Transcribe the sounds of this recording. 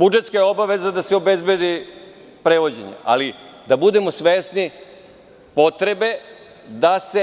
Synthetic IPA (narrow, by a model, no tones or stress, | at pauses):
bud͡ʒe̞t̪skajo̞baʋe̞zad̪aseobezbe̞d̪i | pɾeʋo̞d͡ʑeɲḛa̰lid̪abud̪e̞mosʋesni | po̞t̪ɾe̞be̞ | d̪ase̞